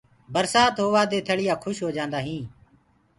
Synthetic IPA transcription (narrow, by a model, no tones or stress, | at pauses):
bəɾsaːt̪ɦoːʋaːd̪eːt̪ʰəɽɪjaːkʰʊʃɦoːd͡ʒãːnd̪aːɦĩː